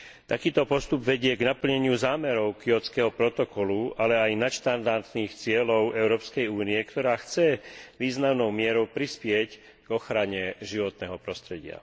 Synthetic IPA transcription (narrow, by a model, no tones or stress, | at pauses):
t̪akiːt̪ɔpɔst̪ubʋɛɟɪɛɡnapl̩ɲɛɲɪuzaːmɛɾɔʊkiɔt͡skɛɦɔpɾɔt̪ɔkɔlualɛajnat̪ʃt̪and̪aɾt̪niːxt͡sɪɛlɔʊɛʊɾɔːpskɛjuːniɛkt̪ɔɾaːxt͡sɛʋiːznamnɔʊmɪɛɾɔʊpɾispɪɛc | ɡ̥ɔxɾaɲɛʒiʋɔt̪nɛɦɔpɾɔst̪ɾɛɟɪa̰